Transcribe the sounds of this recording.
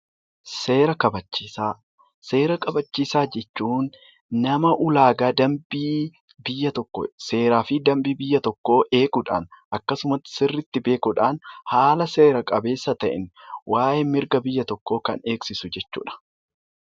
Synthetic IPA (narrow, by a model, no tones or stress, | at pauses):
seːɾɐkɐbɐt͡ʃːiːsaː | se̞ːɾɐkʼɐbɐt͡ʃːiːsaːd͡ʒɛt͡ʃːuːnː | ɐmɐʔʊlaːɡaːd̪ɐmbiː | bɪjːɐt̪ɔkːo̰se̞ːɾaːfɪd̪ɐmbiːbɪjːɐt̪ɔkːo̞ːʔe̞ːkʊᶑa̰ːnʔɐkːɐsʊmɐt̪ːsɪrːɪt̪ːɪbe̞ːkʊᶑaːnhaːlɐse̞ːɾɐkʼɐbe̞ːsːɐt̪ɐʔɪ̰nwʔaːjemɪɾɡɐbɪjːɐt̪ɔkːo̞ːkɐ̰ne̞ːksɪsʊd͡ʒɛt͡ʃːṵːᶑɐ̥